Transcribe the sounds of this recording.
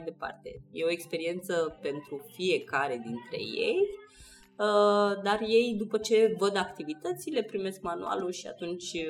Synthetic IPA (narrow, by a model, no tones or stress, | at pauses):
ajd̪e̞pa̰rt̪e̞je̞o̞ekspe̞ɾie̞nt̪səpe̞nt̪ɾufie̞kaɾe̞d̪int̪ɾe̞̰je̞̰j | əd̪arje̞jd̪upət͡ʃe̞vəd̪akt̪ivit̪ət̪sile̞pɾime̞sk̚manṵa̰luʃia̰t̪unt͡ʃʲ